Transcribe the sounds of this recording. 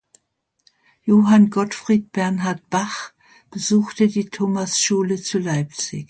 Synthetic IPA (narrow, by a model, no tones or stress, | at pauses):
joːɦanɡɔtfʁ̥iːt̚b̥ɛɐnɦaɐt̚b̥aχ | b̥əzuːxtədiːtʰoːmasʃuːlət͡sulaɪp̚t͡sɪ̰ç